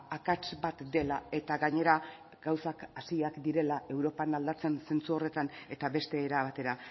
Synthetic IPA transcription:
akat͡ʃbat̪d̪e̞lae̞t̪aɡaɲe̞ɾa | ɡ̥awsakasiakd̪iɾe̞laʔe̞wɾo̞panald̪at͡se̞nse̞nt͡suo̞re̞t̪ane̞t̪aβe̞st̪e̞ːɾaβat̪e̞ɾa

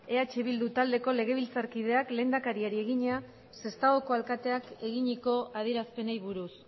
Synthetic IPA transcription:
e̞at͡ʃeβ̞ild̪ut̪ald̪e̞ko̞le̞ɣ̞e̞β̞ilt͡saɾkið̞e̞akle̞ːnd̪akaɾiaɾie̞ɣiɲea | se̞st̪aɣoko̞alkat̪e̞ake̞ɣiɲiko̞ʔað̞ie̞ɾaspe̞nejβuɾus

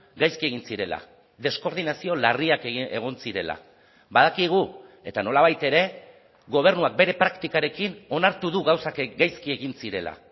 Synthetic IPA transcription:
ɡajskie̞ɣinsiɾe̞la̰ | ðe̞sko̞ɾð̞inasio̞lariake̞ɣ̞o̞nsiɾe̞la̰ | βað̞akiɣ̞ue̞t̪ano̞laβ̞ajt̪e̞ɾe̞ | ɣo̞β̞e̞ɾnuak̚be̞ɾe̞pɾakt̪ikaɾe̞kino̞naɾt̪uðuɣawsakɡajskie̞ɣinsiɾe̞la̰

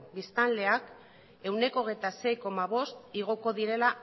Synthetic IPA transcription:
bist̪alle̞ak | e̞wne̞ko̞ɣ̞e̞jt̪ase̞jko̞maβ̞o̞st̪iɣ̞o̞ko̞ðiɾe̞la

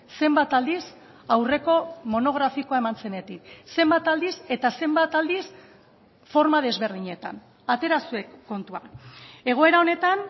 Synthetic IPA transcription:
se̞mbat̪ald̪is | awre̞ko̞mo̞no̞ɣ̞ɾafikoae̞mant͡se̞net̪ikse̞mbat̪ald̪ise̞t̪ase̞mbat̪ald̪is | fo̞ɾmað̞e̞zβe̞ɾð̞iɲe̞t̪an | at̪e̞ɾasuekːo̞nt̪uake̞ɣ̞o̞e̞ɾao̞ne̞t̪an

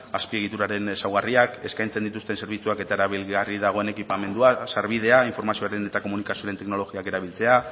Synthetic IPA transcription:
aspie̞ɣ̞it̪uɾaɾe̞nesawɣariake̞skajnt͡se̞nd̪it̪ust̪e̞nse̞ɾβ̞it͡suake̞t̪ae̞ɾaβilɣarið̞aɣ̞o̞e̞ne̞kipame̞nd̪uasaɾβ̞ið̞e̞aiɱfo̞ɾmasio̞aɾe̞ne̞t̪ako̞munikasioɾet̪e̞kno̞lo̞ɣiake̞ɾaβ̞ilt͡se̞a

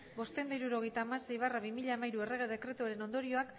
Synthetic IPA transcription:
bo̞st̪e̞nd̪aiɾuɾo̞ɣe̞jt̪aːmase̞jβaraβimiʎaːmajɾue̞re̞ɣ̞e̞ðe̞kɾe̞t̪uaɾe̞no̞nd̪o̞ɾio̞ak

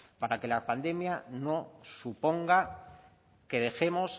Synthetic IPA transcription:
paɾake̞lapand̪e̞mjano̞supo̞ŋɡa | ke̞ð̞e̞xe̞mo̞s

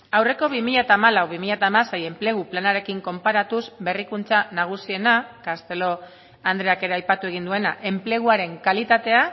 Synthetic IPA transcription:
awre̞ko̞βimiʎat̪aːmalawβimiʎat̪aːmaseje̞mple̞ɣ̞uplanaɾe̞kiŋko̞mpaɾat̪usbe̞rikunt͡sanaɣ̞usie̞nakast̪e̞lo̞ | and̪ɾe̞ake̞ɾe̞ajpat̪ue̞ɣ̞ind̪ue̞naʔe̞mple̞ɣ̞uaɾe̞ŋkalit̪at̪e̞a

